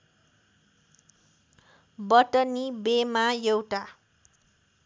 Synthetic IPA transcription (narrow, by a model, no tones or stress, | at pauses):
bʌʈʌnibemajewʈa